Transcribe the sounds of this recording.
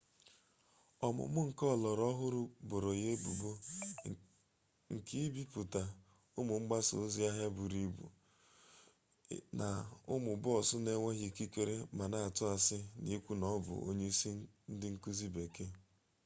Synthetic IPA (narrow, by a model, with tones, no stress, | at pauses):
ɔ˨mʊ̰˨mʊ˦ŋ̩˨kɔ˦˨lɔ˨ɾɔ˦ɦʊ˦ɾʊ˦bʊ˨ɾo˨je˦bu˨bo˦ | ŋ̩˨ki˦bi˦pu˨ta˨ | ʊ˦mʊ˨ŋ͡m̩˦ɡ͡ba˦so̰˨˦zi˦a˦ɦja˦bu˨ɾi˦bṵ˨ | na˨ʊ˦mʊ˨bʊ˦ɔ˨sʊ˦ne˦ŋʷe˦ɦi˨ki˦kʷe˦ɾe˦ma˨na˦a˨tʊ˦a˨sɪ˦ni˦kʷu˦nɔ˦bʊ̰˨o̰˦ɲe˦si˦n̩˦dɪ˦ŋ̩˦ku˦zi˦be˨ke˦